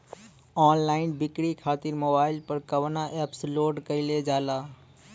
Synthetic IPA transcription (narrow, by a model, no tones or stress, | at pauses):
ɔːnlaːɪnbɪkɽikʰaːt̪ɪɾmoːbaːɪlpəɾkəʋnaʔɛːpsloːɖkəɪled͡ʒaːlaː